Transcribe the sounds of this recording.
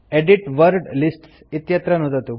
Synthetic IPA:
eɖiʈʋəɾɖlisʈs | it̪jət̪ɾənɦot̪at̪u

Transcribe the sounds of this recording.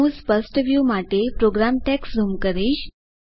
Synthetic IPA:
ũspəsʈʋjumaʈepɾoɡɾamʈɛksɾumkəɾiɕ

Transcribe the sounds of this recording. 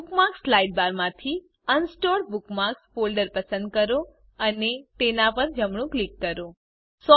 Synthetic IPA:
kmakslaiɖ̚baɾmãt̪ʰi | ənsʈoɾbukmaksfolɖəɾpəsə̃nd̪̚kəɾo | ənet̪enapəɾd͡ʒəmɳũklikːəɾo | sɔ

